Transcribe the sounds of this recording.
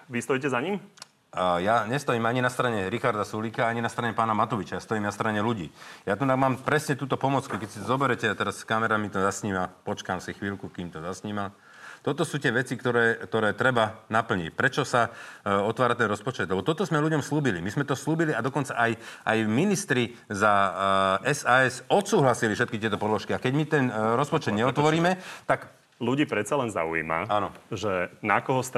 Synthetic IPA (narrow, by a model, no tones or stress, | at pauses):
ʋist̪ɔicɛzaɲim | jaɲɛst̪ɔjiːmaɲinast̪ɾaɲɛɾixaɾd̪asuliːkaaɲinast̪ɾaɲɛpaːnamat̪ɔʋit͡ʃajast̪ɔjiːmnast̪ɾaɲɛluɟḭːjat̪unaɡmaːmpɾɛsɲɛt̪uːt̪ɔpɔmɔt͡skukɛcsizɔbɛɾɛcɛat̪ɛɾaskamɛɾamit̪ɔzasɲiːmapɔt͡ʃkaːmsixʋiːlkukiːmt̪ɔzasɲiːmal | t̪ɔt̪ɔsuːtɪɛʋɛt͡sikt̪ɔɾɛːkt̪ɔɾɛːt̪ɾɛbanapl̩ɲḭcpɾɛt͡ʃɔsaɔt̪ʋaːɾat̪ɛnɾɔspɔt͡ʃɛd̪lɛbɔt̪ɔt̪ɔzmɛluɟɔmsluːbilimizmɛt̪ɔsluːbiliad̪ɔkɔnt͡saʔajʔajminist̪ɾi | za | ɛsaːɛsɔt̪suːɦlasilifʃɛt̪kit̪ɪɛt̪ɔpɔd̪lɔʃkiakɛɟmit̪ɛnɾɔspɔt͡ʃɛd̪ɲɛɔt̪ʋɔɾiːmɛt̪ak | luɟiːpɾɛt͡salɛnza̰uḭːma̰anɔʒɛnakɔɦɔst̪